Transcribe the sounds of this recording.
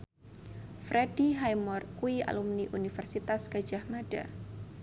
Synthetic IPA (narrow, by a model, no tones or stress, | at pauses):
fɾɛdiɦajmɔrkuia̰lumniʔunifərsit̪askə̥d͡ʒahmaɖ̥a̰